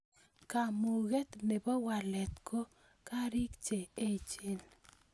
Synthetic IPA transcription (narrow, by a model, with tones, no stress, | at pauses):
ka˨mu˨ɣe˦t̪ne˨bɔ˦wa˨lɛ˨t̪kʰo˦ | ka˦ɾɪ˦kt͡ʃe˨e˦t͡ʃe˦n